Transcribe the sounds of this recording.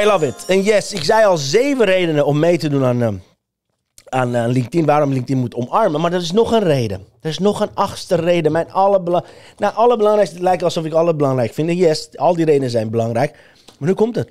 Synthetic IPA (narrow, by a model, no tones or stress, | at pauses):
ɛlavɪtənjɛsɪksɛjɑlˠzeːvərejdənəɔmːejtədunan | annlɪŋk̚tinʋaːɾɔmlɪŋktinmutɔmɑɹmənmaɹdɔtɪsnɔxənreːdəd̥ərɪsnɔxənɑxstərejdəmɛnɑləbəlnaʔɑləbəlɑŋrɛjkstəlɛjkɑlˠsɔfɪkɑləbəlɑŋrɛjkfɪndəjɛsɑlˠdiɾeːdənəzɛjnbəlɑŋrɛjk | maɹnykɔmtət